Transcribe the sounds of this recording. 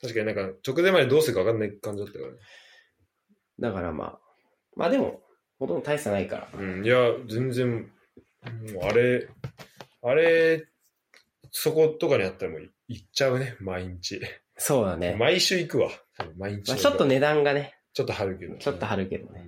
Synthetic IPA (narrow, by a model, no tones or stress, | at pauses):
t̪aɕ̬ikaɲinãŋkat͡ɕo̞kɯ̟zẽ̞mːad̪e̞d̪oːsɨɾɯkaβakanːaikãɲ̟d͡ʑid̪at̪ːaka̰ɾa̰ne | d̪akaɾa̰mʔa̰ː | mʔa̰ːd̪emo̞̰ | hot̪õnd̪ot̪aisanaika̰ɾa̰ɯ̃ːjad͡zẽ̞nzẽm | aɾe̞ | aɾe | so̞ko̞t̪o̞kaɲ̟iat̪ːaɾamo̞ | it͡ɕaɯ̟ne̞maiɲ̟it͡ɕi | so̞ːd̪anḛmaiɕɨːikɯ̟βat̪abɯ̃maiɲ̟it͡ɕimat͡ɕo̞t̪ːo̞ne̞d̪ãŋɡane̞ | t͡ɕot̪ːohaɾɯ̟ke̞d̪ot͡ɕot̪ːoɦaɾɯ̟ke̞d̪one